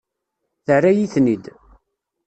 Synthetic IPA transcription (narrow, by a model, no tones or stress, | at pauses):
θərːæjiθnid̪